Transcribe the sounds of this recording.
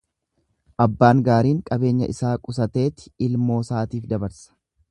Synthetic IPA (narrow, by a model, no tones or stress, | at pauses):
ʔɐbːaːŋɡaːɾiːŋkʼɐbe̞ːɲːɐ̰ʔɪsaːkʼʊs̬ɐt̪e̞ːt̪ɪ̥ɪlmo̞ːsaːt̪iːfd̪ɐbɐɾsɐ̥